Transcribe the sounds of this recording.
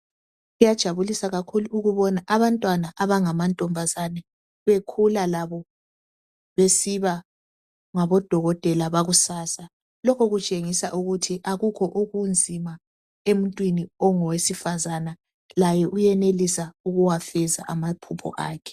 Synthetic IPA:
ujad̥ʒ̥ʱaβulisaɣakʰuluuɣuβɔnaʔaβantʼwanaʔaβaŋamantʼɔmbʱazanɛ | βekʰulalaβɔ | βesiβa | ŋaβɔd̥ʱɔɣɔd̥ʱɛlaβaɣusaːsa | lɔkʰɔɣut͡ʃʼeŋisaʔuɣutʰiʔaɣukʰɔʔuɣund͡zʱima | emuntʼwiniɔŋɔwesifazana | lajɛʔujɛnelisauɣuwafɛza̰ʔamapʰupʰɔ̰ʔaːkʰɛ̥

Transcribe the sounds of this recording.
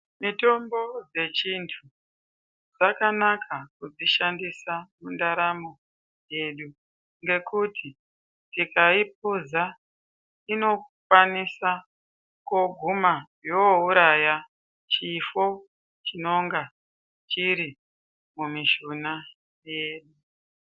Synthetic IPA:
mito̞mbo̞d͡ze̞t͡ʃintʰu | d͡zakanakʰakud͡ziʃandisamundaɾamo̞ | je̞ɗu | ŋɡe̞kutʰi | tikaip̚uza | ino̞kwanisa | koɡʱumajouɾaja | t͡ʃifo | t͡ʃino̞ŋɡa | t͡ʃiɾi | mumiʃuna | je̞ːɗu

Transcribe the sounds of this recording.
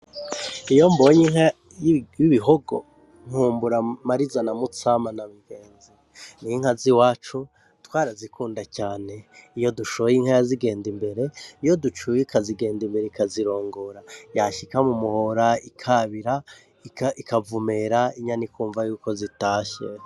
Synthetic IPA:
ijo̞mboɲiŋha | iβiɦoɡo̞̰ | ŋ̥huːmbuɾamaɾizanamut͡samanamiɡe̞ːnzi | niiŋ̥haziwaːt͡ʃu | twaːɾazikuːndacaːne̞ijo̞duʃoβjiŋ̥hajaziɡe̞ːndimbe̞ɾe̞ijo̞dut͡ʃujikʰaziɡe̞ːndimbe̞ɾeikaziɾo̞ːŋɡoɾajaʃikamumuhoɾaikʰaβiɾa | ikaikavumeɾaiɲanikʰuːɱvajuːko̞zitaːʃe

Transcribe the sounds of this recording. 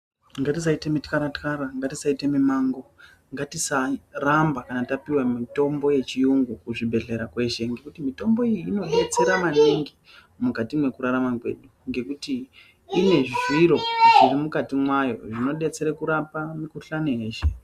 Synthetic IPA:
ŋɡatis̬aitemitkaɾatkaɾaŋɡatisaitemimaŋɡo̞ | ŋɡatisarambakanatapiwamito̞mbo̞je̞t͡ʃijuŋɡukuʐibʱe̞ɮe̞ɾakwe̞ʃe̞ŋɡe̞kutimito̞mbo̞ijːno̞ɦe̞t͡se̞ɾamaniŋɡi | mukatimwe̞kuɾaɾamakwe̞̰ɗuŋɡe̞kutiː | ne̞ʐiʐwiɾo̞ʐirimukatimwajo̞̰ʐino̞ɗe̞t͡se̞ɾekuɾapamikuɬanoje̞ːʃe̞

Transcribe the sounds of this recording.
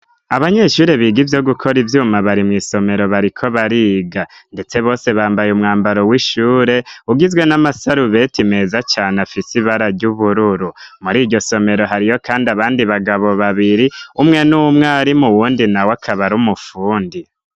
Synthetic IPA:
aβaɲe̞ʃuːɾeβiːɡivjoɡukʰo̞ɾivjuːmaβaɾimŋiːso̞me̞ɾo̞βaɾikʰo̞βaɾiɡande̞t͡se̞βo̞ːse̞βaːmbajumŋaːmbaɾo̞wiʃuːɾe̞uɡizɡwe̞namasaɾuβe̞time̞zat͡ʃaːnafisiβaɾaɾɟuβuɾuɾumuɾiːɟo̞so̞me̞ɾo̞ɦaɾijo̞kaːndiaβaːndiβaɡaβo̞βaβiɾiumŋe̞numŋaɾimuwuːndinawakʰaβaɾumufuːndi

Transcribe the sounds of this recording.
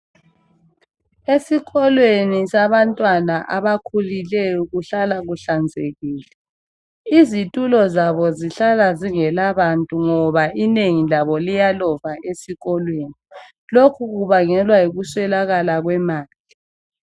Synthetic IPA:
esiɣɔlwenisaβantʼwanaʔa̰βakʰulilɛjɔuɣuɬalaɣuɬand͡zʱeɣiːlɛ | izitʼulɔzaβɔziɬalaziŋɛlaβantʼuŋɔβaʔineŋilaβɔlijalɔvaʔesiɣɔlweni | lokʰuɣuβaŋɛlwaiɣuswɛlaɣalaɣwɛmaːli

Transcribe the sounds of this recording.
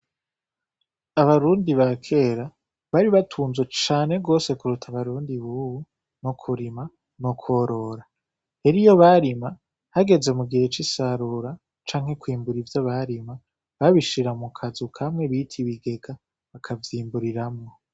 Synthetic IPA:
aβaɾuːndiβakʰe̞ɾa | βaɾiβatʰuːnzwet͡ʃaːne̞ɡo̞ːse̞kuɾutʰaβaɾuːndiβuβu | nokʰuɾima | nokʰwo̞ɾo̞ɾa | heɾijo̞βaɾima | haɡe̞ze̞muɡihe̞t͡ʃisaɾuɾa | t͡ʃaːŋ̥he̞kwiːmbuɾivjaβaɾima | βaβiʃiɾamukʰazukʰamŋe̞βitʰiβiɡe̞ɡa | βakʰavjiːmbuɾiɾamŋo̞

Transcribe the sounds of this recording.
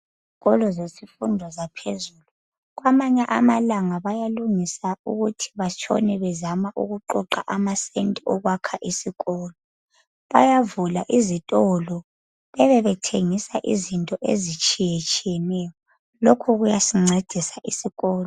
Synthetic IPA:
zziɣɔlɔzesifundʱɔzapʰezuːlu | ɣwamaɲɛʔamalaŋaβajaluŋisauɣutʰi̥βat͡ʃʰʼɔ̰nɛβɛzamaʔuɣuǃɔǃaʔamasentʼiɔɣwakʰaʔisiɣɔːlɔ | βa̰javulaʔizitʼɔlɔ | βɛβɛβɛtʰeŋisaʔizintʼɔʔḛzit͡ʃʼijet͡ʃʼijɛnɛjɔ | lokʰɔɣujasiŋ͡ǀʱed̥ʱisaʔisiɣɔːlɔɔ

